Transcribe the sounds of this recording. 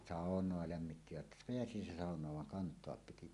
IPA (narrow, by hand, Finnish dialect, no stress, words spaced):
sɑˑonˑoɑ læmːitːiʋæt peæsi se sɑˑonˑɑːʋ ʋɑŋ kɑntˑoɑp piti